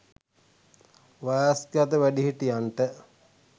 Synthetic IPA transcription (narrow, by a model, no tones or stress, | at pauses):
ʋajaskjat̪əʋæɖiɦiʈijaɳʈə